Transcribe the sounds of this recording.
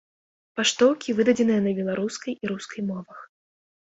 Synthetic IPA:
paʂt̪ɔwkʲivɨd̪ɐd͡zʲɛnɨjɐnɐbʲɛlˠaɾuskɐjiɾuskɐjmɔvɐx

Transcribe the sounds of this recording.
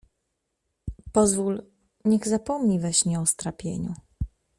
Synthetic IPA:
pɔzvul | ɲɛɣzapɔmɲivɛɕɲɛɔst̪ɾapʲjḛɲṵ

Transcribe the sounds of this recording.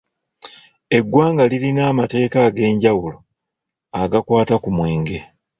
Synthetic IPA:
e̞ɡːwaːŋɡalilinaːmate̞ːkaɡe̞ːɲɟawulo | aɡakwaːtakumwe̞ːŋɡe̞

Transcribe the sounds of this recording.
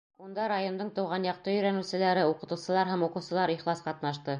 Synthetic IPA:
und̪ɑɾajo̞nd̪ɤɴt̪ɤ̆wʁɑnjɑq̚t̪ɤjɵ̆jɾænɘ̆wsɘ̆læɾɘuqɤ̆t̪ɤ̆wsɤ̆lˠɑɾɦæmuqɤ̆wsɤ̆lˠɑɾiχlˠɑsqɑt̪nɑʃt̪ɤ

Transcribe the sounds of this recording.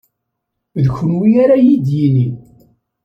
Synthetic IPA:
ðçənwiaɾajid̪jini

